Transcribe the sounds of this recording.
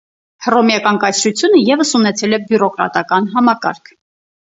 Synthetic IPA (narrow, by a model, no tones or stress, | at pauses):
hrɔmjɑkɑnkɑsʰɾut͡sʰjunəjɛvəsunɛt͡sʰɛlɛbjuɾɔkɾɑ̰t̪ɑkɑnɦɑmɑkɑ̰ɾkʰ